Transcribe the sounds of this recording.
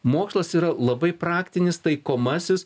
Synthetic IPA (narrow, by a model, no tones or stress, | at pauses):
moːkslˠɐsiːɾɐlˠɐbɐɪpɾɑːkt̪ʲɪnʲɪst̪ɐɪkoːmɐsʲɪs